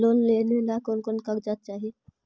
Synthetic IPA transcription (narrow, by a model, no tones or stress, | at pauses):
lonlenelakonkonkaɡd͡ʒat̪̚t͡ʃaːɦi